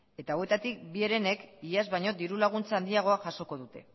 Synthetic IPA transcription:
e̞t̪awe̞t̪at̪ik̚bie̞ɾe̞ne̞kiazβajɲo̞d̪iɾulaɣ̞unt͡saːnd̪iaɣ̞o̞aʝaso̞ko̞ðut̪e̞

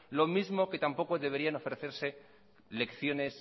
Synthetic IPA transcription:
lo̞mizmo̞ke̞t̪ampo̞ko̞ðe̞βeɾiano̞fɾeθe̞ɾse̞ | le̞kθjo̞ne̞s

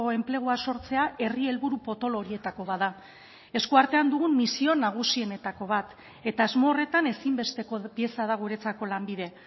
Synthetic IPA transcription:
oe̞mple̞ɣ̞uaso̞ɾt͡se̞aʔe̞rie̞lβuɾupo̞t̪o̞lo̞ɾie̞t̪ako̞βaða | e̞skuaɾt̪e̞and̪uɣumːisio̞naɣ̞usie̞ne̞t̪ako̞β̞at̪ | e̞t̪aːzmo̞ːre̞t̪ane̞simbe̞st̪e̞kopje̞sað̞aɣ̞ueɾe̞t͡sako̞lambið̞e̞

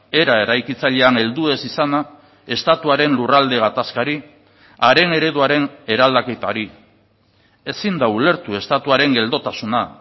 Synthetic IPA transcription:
e̞ɾae̞ɾajkit͡saʎe̞ane̞ld̪ue̞sisana | e̞st̪at̪uaɾe̞nlurald̪e̞ɣ̞at̪askaɾi | aɾe̞ne̞ɾe̞ðuaɾe̞ne̞ɾald̪ake̞t̪aɾi | e̞sind̪aule̞ɾt̪ue̞st̪at̪uaɾe̞ŋɡe̞ld̪o̞t̪asuna

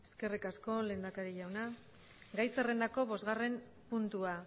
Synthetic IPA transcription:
e̞ske̞rikasko̞le̞ːnd̪akaɾiʎawna | ɡajsere̞nd̪ako̞βo̞zɣare̞m | punt̪ua

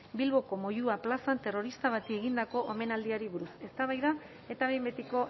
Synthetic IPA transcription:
bilβo̞ko̞mo̞juaplasant̪e̞ro̞ɾist̪aβ̞at̪ie̞ɣind̪ako̞ʔome̞nald̪iaɾiβuɾuse̞st̪aβajða | e̞t̪aβe̞jmbe̞t̪iko̞

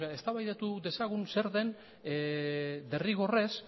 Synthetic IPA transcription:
eae̞st̪aβajðet̪uðe̞saɣ̞unse̞ɾðe̞n | d̪e̞riɣ̞o̞re̞s

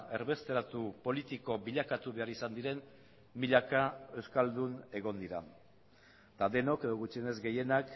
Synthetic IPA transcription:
e̞ɾβe̞st̪e̞ɾat̪upo̞lit̪iko̞βiʎakat̪uβe̞aɾisand̪iɾe̞m | biʎakae̞wskald̪une̞ɣo̞nd̪iɾa̰ | t̪aðe̞no̞ke̞ðo̞ɣut͡ʃiene̞zɡe̞je̞nak

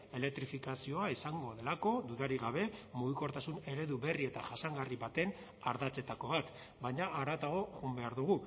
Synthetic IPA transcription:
e̞le̞k̚t̪ɾifikasio̞aisaŋɡo̞ð̞e̞lako̞d̪uðaɾiɣaβe̞muɣiko̞ɾt̪asune̞ɾe̞ðuβe̞rie̞t̪a̰ʝasaŋɡariβat̪e̞n | aɾðat͡se̞t̪ako̞βat̪ | baɲaaɾat̪aɣ̞o̞ɣumbe̞aɾðuɣu

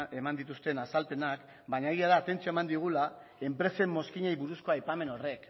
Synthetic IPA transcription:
e̞mand̪it̪ust̪e̞nasalpe̞nak | baɲaeɣiaðaːt̪e̞nt͡sioemand̪iɣ̞ulae̞mpɾe̞se̞mːo̞skiɲejβuɾusko̞ajpame̞no̞re̞k

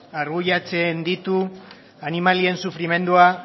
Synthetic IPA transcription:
aɾɣuʎat͡se̞nd̪it̪u | animalie̞nsufɾime̞nd̪ua

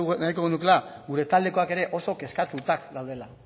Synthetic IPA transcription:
najko̞ɣenuke̞laɡuɾe̞t̪ald̪e̞ko̞ake̞ɾe̞ʔo̞so̞ke̞skat̪ut̪akɡawð̞e̞la

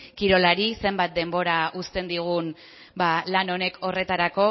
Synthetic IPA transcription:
kiɾo̞laɾise̞mbat̪̚d̪e̞mbo̞ɾaust̪e̞nd̪iɣ̞un | balano̞ne̞kʰo̞re̞t̪aɾako̞

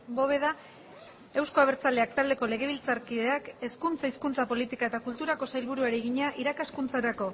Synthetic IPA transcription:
bo̞βe̞ða | e̞wsko̞aβ̞e̞ɾt͡sald̪e̞akt̪ald̪e̞ko̞le̞ɣe̞β̞ilt͡saɾkiðe̞ake̞skunt͡saiskunt͡sapo̞lit̪ikae̞t̪akult̪uɾako̞sajlβuɾuaɾiɣiɲaʔiɾakaskunt͡saɾako̞

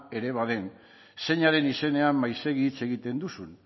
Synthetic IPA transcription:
e̞ɾe̞βaðe̞n | se̞ɲaɾe̞nise̞ne̞amːajse̞ɣit͡se̞ɣit̪e̞nd̪usun

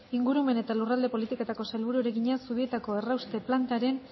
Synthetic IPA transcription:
iŋɡuɾume̞ne̞t̪alurald̪e̞po̞lit̪ikot̪ako̞salβuɾueɾeɣiɲasuβ̞ie̞t̪ako̞e̞rawst̪e̞plant̪aɾe̞n

